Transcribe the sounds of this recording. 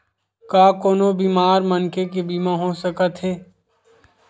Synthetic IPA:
kaːkoːnobiːmaːɾmənkek̬ebiːmãɦõsəkət̪ɦeː

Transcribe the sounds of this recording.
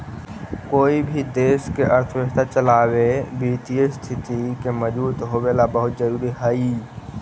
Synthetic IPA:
koːibʱid̪eːskeʔəɾt̪ʰəʋəkt̪ʰat͡ʃəlaːwebiːt̪ijəst̪ʰɪt̪ikeməd͡ʒbuːt̪ɦobelabəɦʊt̪̚d͡ʒəɾuːɾiɦəi

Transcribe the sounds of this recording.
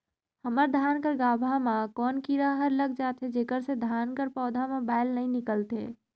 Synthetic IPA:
həməɾd̪ʱjaːnkəɾɡaːbʱamãkɔːnkiɾaɦəɾləɡ̚d͡ʒaːt̪ɦed͡ʒeːkəɾsed̪ʱjaːnkəɾpɔːd̪ʱamãbaːɪlnɐɦĩnɪkəlt̪ḛː

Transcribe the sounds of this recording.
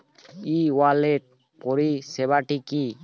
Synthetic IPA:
iwaleʈ̚ | pɔɾisɛbaʈiki

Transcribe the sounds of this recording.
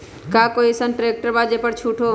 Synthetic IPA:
kaːkoːisənʈɾeːk̚ʈəɾbaːd͡ʒepəɾt͡ʃʰuːʈʰo

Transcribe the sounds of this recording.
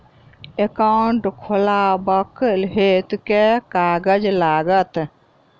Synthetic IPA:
ekaɳʈkʰolabəkəlɦet̪kekaɡəd͡ʒlaɡət̪

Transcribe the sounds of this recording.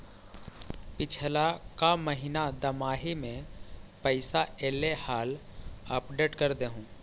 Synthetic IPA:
pɪt͡ʃʰlakaməɦɪnad̪əmaːɦimẽpəɪsaeːlehaːləpɖeːʈkəɾd̪eɦũː

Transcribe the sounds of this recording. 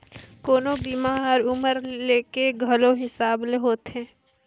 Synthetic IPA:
koːnobiːmaːɔɾʊməɾleːkeɡʱɐloɦɪsaːbleɦoːt̪ɦɛ̃ː

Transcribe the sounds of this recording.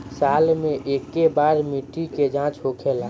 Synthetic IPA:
saːlmẽʔeːkːebaːɾmiʈːiked͡ʒãːt͡ʃɦokʰela

